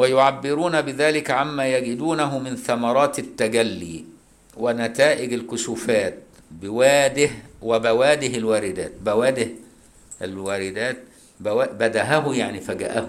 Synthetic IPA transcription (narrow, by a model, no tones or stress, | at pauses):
wajʊʕabːɪɾuːnabɪðaːlɪkʕamːaːjæɡɪd̪uːnæɦʊmɪnθamɑɾˤɑːt̪ɪt̪ːaɡælːḭː | wɪnæt̪aːʔɪɡalkʊsufaːt̪̚ | bɪwaːd̪ɪhwɪbæwæːd̪ɪɦɪlwaːɾɪd̪aːt̪̚bæwaːd̪ɪh | ɪlwaːɾɪd̪æːt̪̚ | bwaːbæd̪æɦæɦʊjaʕnifæɡa̰ʔæh